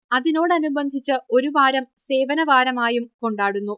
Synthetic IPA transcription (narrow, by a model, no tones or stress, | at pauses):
ɐðino̞ːɽɐnubɐnd̪ʱit͡ɕːɨo̞ɾuʋaːɾɐmse̞ːʋɐnɐʋaːɾɐmaːjumko̞ɳɖaːɽunːu